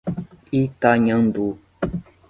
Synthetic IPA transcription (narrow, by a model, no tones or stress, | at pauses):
itaɲãndu